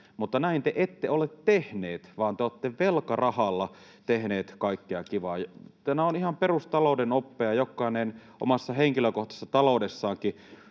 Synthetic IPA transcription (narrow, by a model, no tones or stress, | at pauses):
mut̪ːɑnæint̪eʔet̪ːeolet̪t̪ehneːt̪ʋɑːnt̪eot̪ːeʋelkɑrɑhɑlːɑ | t̪ehneːt̪kɑikːeɑkiʋɑːjt̪æmæonihɑmperust̪ɑloˑudenopːeɑjokːˑɑˑenenʔo̰mɑsːɑheŋkiløkoht̪ɑ̥sːɑt̪ɑlodesːɑːŋki